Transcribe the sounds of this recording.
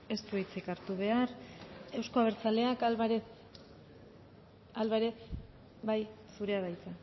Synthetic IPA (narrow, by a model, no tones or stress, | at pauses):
e̞st̪uit͡sikaɾt̪uβe̞are̞wsko̞aβeɾt͡sale̞akβaɾe | alβaɾe | baj | suɾe̞aβajt͡sa